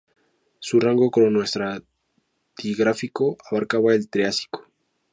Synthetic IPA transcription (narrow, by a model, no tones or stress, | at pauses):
suraŋɡo̞komonwe̞st̪ɾa | t̪iɣɾafikoʔaβaɾkaβaelt̪ɾeasi̥ko̥